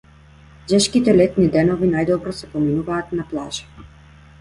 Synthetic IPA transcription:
ʒɛʃkit̪ɛlɛt̪nid̪ɛnɔvinajd̪ɔbɾɔsɛpɔminuvaːt̪naplˠa̰ʒɛ̥

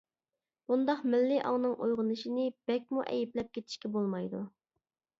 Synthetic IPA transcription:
bund̪ɑqmɪlːɪʔɑ̰ŋnɨŋʔujʁənɨʃinɪb̥ɛkʲmuʔɛ̰jiplɛp̚kʲet̪ʰɪ̥ʃkʲɛbolˠmɑjd̪u

